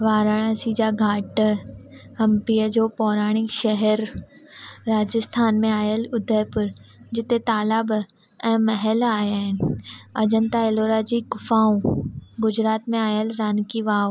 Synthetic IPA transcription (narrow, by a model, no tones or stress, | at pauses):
ʋaːɾaːɽ̃ãsiːd͡ʒaɡʱaːʈ | ɦɐmpijəd͡ʒoːpɔːɾaːɽ̃ɪkʃɛɦɛɾː | aːd͡ʒəst̪ʰaːnmẽaːjəlʊd̪ʱəɾpʊɾ | d͡ʑɪt̪et̪aːlab | ɛ̃ːmɐɦɛlaːjaːɦɪnɐd͡ʑə̃nt̪aeloːɾad͡ʑikʊfaːũɡʊd͡ʑɾaːt̪mẽaːjəlɾaːnkiʋaːw